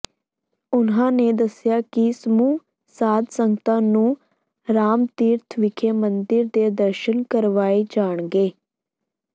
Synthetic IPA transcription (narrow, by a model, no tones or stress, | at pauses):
ʊnɦãːneːd̪əsjaːkɪsəmuː | saːd̪sə̃ŋɡt̪ãːnũː | ɾaːmt̪iːɾt̪ʰʋɪkʰeːmənd̪ɪɾd̪eːd̪əɾʃənkəɾʋaːeːd͡ʒaːɳɡeː